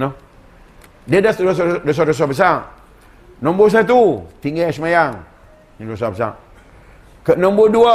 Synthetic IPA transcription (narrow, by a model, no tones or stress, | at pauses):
nɔ | diədasosdos̬ados̬abəs̬aʔ | nɔ̃mbos̬at̪̬ut̪iŋɡɛsəmajaŋ | ndos̬abəsa̰ʔ | kəʔnɔmboduə